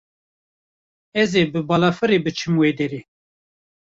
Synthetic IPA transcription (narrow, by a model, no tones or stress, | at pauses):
ɛzeːbɨbɑːlɑːfɨɾeːbɨt͡ʃʰɨmweːd̪ɛɾeː